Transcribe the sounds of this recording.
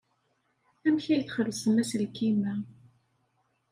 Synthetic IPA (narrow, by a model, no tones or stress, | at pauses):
æmçæjθχəlsəmːæslkːimæ